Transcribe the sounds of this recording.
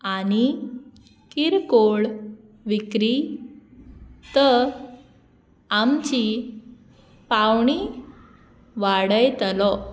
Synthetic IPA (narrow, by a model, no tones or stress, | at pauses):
añi | kiɾkoɭ | ʋikɾi | t̪ə | amt͡ɕi | pawɳi | ʋaɽəjt̪əlɔ